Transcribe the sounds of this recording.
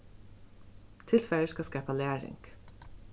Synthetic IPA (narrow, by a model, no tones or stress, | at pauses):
t̪ʰɪlfæəʃkɑskæpɑlæːɹɪ̰ŋɡ̥